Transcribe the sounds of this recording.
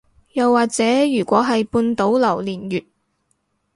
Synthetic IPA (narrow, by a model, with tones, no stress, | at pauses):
jɐ˨wːaː˨k̚t͡sɛː˨˥jyː˨˩kʷɔː˨˥ɦɐ˨jpuː˧nt̪o˨˥wlɐ˨˩wliː˨˩njyː˨t̚